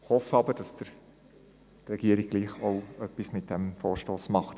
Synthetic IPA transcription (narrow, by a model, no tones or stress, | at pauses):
hɔfəɑbəɾd̥ɑsd̥əɾ | tɾɛɡ̥iəɾɪɡ̚ɡ̥liːχoʊœpːismɪt̚d̥ɛmfoːɾʃtoːsmɑχt